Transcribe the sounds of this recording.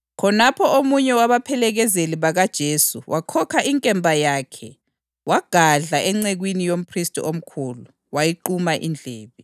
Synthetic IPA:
kʰɔnapʰɔomuɲɛwaβapʰɛlɛɣɛzeliβaɣad̥ʒ̥ʱeːsuwʔakʰɔkʰaʔiŋkʼɛmbʱajakʰɛ | waɡ̥ʱaɮaʔɛŋ͡ǀɛɣwinijom̩pʰristʼiom̩kʰuːlu | wajiǃumaʔḭnd͡ɮʱɛːβi

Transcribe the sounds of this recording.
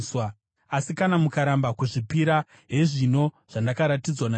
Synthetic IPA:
swa | asikanamukaɾambakuʐipiɾa | ɦe̞ʐino̞ | ʐ̥andakaɾatid͡zwana

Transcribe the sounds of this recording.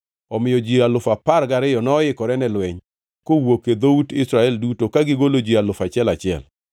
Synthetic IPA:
ɔmɪjɔd͡ʒialʊfapaɾɡaɾɪjɔnɔːɪkɔɾɛnɛlwɛɲ | kowoked̪outɪsɾaɛldutokaɡɪɡolod͡ʒialʊfat͡ʃɪɛlat͡ʃɪɛ̰l

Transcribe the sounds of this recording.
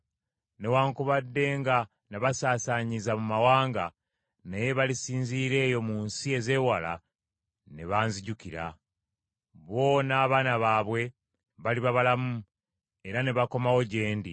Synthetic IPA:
ne̞waːŋkuβadːe̞ːŋɡa | naβasaːsaɲizamumawaːŋɡa | neje̞βalisiːnziːɾe̞ːjo̞muːnsie̞ze̞wala̰ | ne̞βaːnziɟukiɾa̰ | βo̞ːnaːβaːnaβaːβwe̞ | βaliβaβalamu | e̞ɾane̞βako̞mawo̞ɟe̞ːndi

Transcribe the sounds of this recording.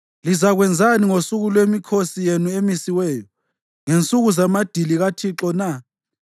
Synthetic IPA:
lizaɣwɛnd͡zʱaniŋosuɣulwemikʰosijenuemisiwɛːjɔ | ŋent͡sʼuɣuzamad̥ʱiliɣatʰiǁɔna

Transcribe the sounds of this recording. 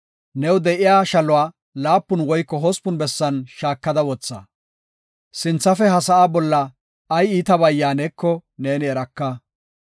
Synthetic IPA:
nɛwd̪ɛʔɪjaːʃɐlʊwaː | laːpːʊnwɔjkːɔɦɔspʊnbɛsːɐnʃaːkːɐd̪ɐwɔt͡sːɐ̰ | sɪnt͡sːɐfɛɦɐsɐʔaːbɔlːɐː | jiːt̪ɐbɐjːaːnɛkːɔneːnɪɛɾɐkːɐ

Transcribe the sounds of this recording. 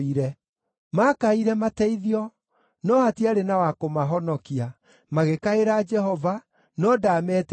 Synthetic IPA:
iɾɛ | makaiɾɛmatɛiðiɔ | nɔatiaɾenawakomaɦɔnɔkia | maɣekaeɾaːd͡ʒɛɦɔva | nɔdamɛt

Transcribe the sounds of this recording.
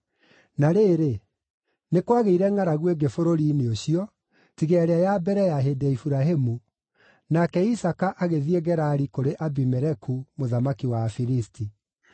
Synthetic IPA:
naɾeːɾe | nekwaɣeiɾɛŋaɾaɣweɡefoɾoɾiːneoɕiɔ | tiɣɛɛɾeajabɛɾɛjaɦedɛifuɾaɦemu | nakɛisakaʔaɣeðieɣɛɾaːɾikoɾeʔabimɛɾɛkʰumoðamakiwafiɾisti

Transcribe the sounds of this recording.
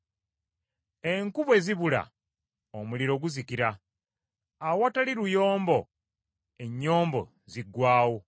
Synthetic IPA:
e̞ŋkuβwe̞ziβula̰ | omuliɾo̞ɡuzikiɾa | awataliɾujo̞ːmbo̞ | e̞ɲːo̞ːmbo̞̰ | ziɡwaːwo

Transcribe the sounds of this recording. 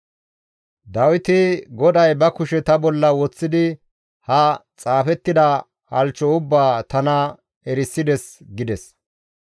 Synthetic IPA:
d̪ɐwɪt̪ɪɡɔd̪ɐjbɐkʊʃɛt̪ɐbɔlːɐwɔt͡sːɪd̪ɪ | hɐt͡sʼaːfɛt̪ːɪd̪ɐ | hɐlt͡ʃːɔʊbːaːt̪ɐnɐ | ɛɾɪsːɪd̪ɛsɡɪd̪ɛs

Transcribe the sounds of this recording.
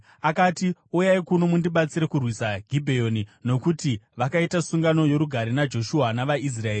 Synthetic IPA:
akaːtiujaikuno̞mundiɓat͡siɾe̞kurwisaɡʱibʱejo̞nino̞kutiʋakaitasuŋɡano̞jo̞ɾuɡʱaɾinad͡ʒo̞ʃuanaʋais̬raeːri

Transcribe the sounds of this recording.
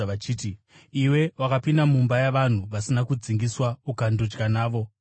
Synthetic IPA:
at͡ʃiːt̬i | iwe̞wakapindamumbajaʋan̤uʋasinakud͡ziŋɡiswaukandod͡ʒɡanaːʋo̞

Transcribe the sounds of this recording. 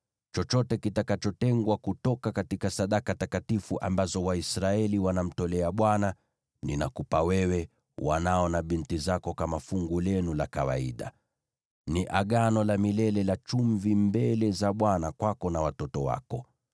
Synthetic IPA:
t͡ʃɔt͡ʃɔtɛkitakat͡ʃɔtɛŋɡwakutɔkakatikasaɗakatakatifuʔambazɔwaisɾaɛliwanam̩tɔlɛaɓwana | nina̰kupawɛwɛ | wanaɔnaɓintizakɔkamafuŋɡulɛnulakawa̰ḭɗa̰ | niʔaɠanɔlamilɛlɛlat͡ʃuɱvimbɛlɛzaɓwanakwakɔnawatɔtɔwa̰kɔ

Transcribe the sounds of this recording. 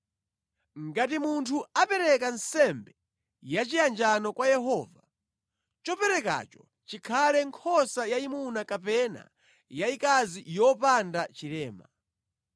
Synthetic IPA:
ŋɡatimuntʰuapɛɾɛkansɛmbɛ | jat͡ʃijand͡ʒanɔkwajɛɦɔːva | t͡ʃɔpɛɾɛka̰t͡ʃɔ̥ | t͡ʃikʰalɛŋkʰɔsajaimunakapɛna̰ | jaikazijɔpandat͡ʃilɛːma

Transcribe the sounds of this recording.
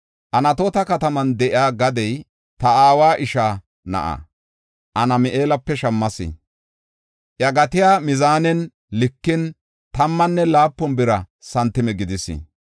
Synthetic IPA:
ʔɐnɐt̪oːt̪ɐkɐt̪ɐmɐnd̪ɛʔɪaːɡɐd̪ɛj | t̪ɐaːwaːʔɪʃaː | nɐ̰ʔɐ̰ | ʔɐnɐmɪʔeːlɐpːɛʃɐmːɐsɪ̰ | ʔjɐɡɐt̪ɪjaːmɪzaːnɛn | lɪkːɪn | t̪ɐmːɐnːɛlaːpːɔnbɪɾɐ | sɐnt̪ːɪmɛɡɪd̪ɪsɪ̰

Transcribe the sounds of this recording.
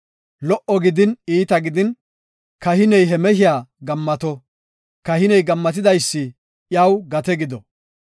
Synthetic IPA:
lɔʔɔɡɪd̪ɪniːt̪ɐɡɪd̪ɪn | kɐhɪnɛjɦɛmɛhɪjaːɡɐmːɐt̪ɔ | kɐhɪnɛjɡɐmːɐt̪̬ɪd̪ɐjsːɪ | jɐwɡɐt̪ɛɡɪd̪ɔ

